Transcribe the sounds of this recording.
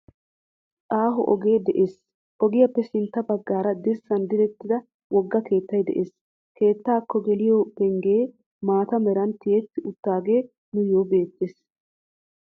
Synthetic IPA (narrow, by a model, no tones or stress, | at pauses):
ʔʼaːɦɔʔɔ̰ɡe̞ːd̪ɛʔeːs | ʔɔɡɪjɐpːɛsɪnt̪ːɐbɐɡːaːɾɐd̪ɪsːɐnd̪ɪɾɛt̪ːɪd̪ɐ | wɔɡːɐke̞ːt̪ːɐjd̪ɛ̰ʔeːs | ke̞ːt̪ːaːkːɔɡɛlɪjoːbɛŋɡeː | maːt̪ɐmɛɾɐnt̪ːɪjɛt̪ːɪʊt̪ːaːɡe̞ː | nʊjoːbe̞ːt̪ːes